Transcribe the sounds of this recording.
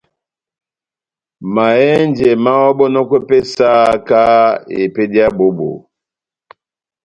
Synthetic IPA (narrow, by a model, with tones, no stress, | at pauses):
ma˨ɛ˦nd͡ʒɛ˨ma˦wɔ˦ɓɔ˦nɔ˦kwɛ˦pɛ˦sa˦ka˦ḛ˨pɛ˦di˦a˦bo˦bo̰˨